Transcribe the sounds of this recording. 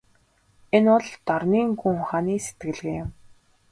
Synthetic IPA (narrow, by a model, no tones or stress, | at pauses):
enʊɮt̪ɔrniːŋɡuŋχaːniːse̥t̪̚ɡɘ̆ɮɣeːɪm